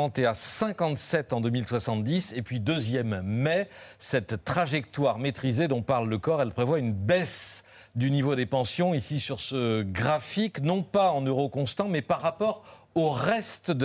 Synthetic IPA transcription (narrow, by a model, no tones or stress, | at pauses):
ɑ̃t̪easɛ̃kɑ̃t̪sɛt̪ɑ̃d̪əmilswasɑ̃t̪̚d̪isepɥid̪øzjɛmːɛsɛt̪ːχaʒɛk̚t̪waʁmet̪χized̪ɔ̃paʁlːəkɔʁɛlpχevwaynbɛs | d̪ynivod̪epɑ̃sjɔ̃isisyʁsəɡʁafiknɔ̃paɑ̃nøʁokɔ̃st̪ɑ̃mɛpaʁːapɔʁ | oʁɛst̪d̪